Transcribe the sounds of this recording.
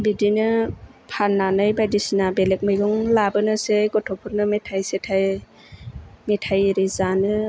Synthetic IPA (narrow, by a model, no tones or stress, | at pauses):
bidinɯ | pʰanːanɯjbajdisinabelek̚mɯjɡɔŋlabɯnɯseɡɔtʰɔpʰuɾ̚nɯmetʰajsetʰaj | metʰajɾizanɯ